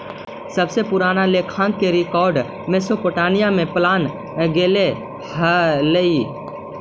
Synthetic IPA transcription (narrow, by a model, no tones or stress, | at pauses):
səbsepʊɾaːnalekʰãːŋɡ̚keɾɪkɔːɾɖ | mesopoʈaːnijamẽplaːn | ɡeːle | hələi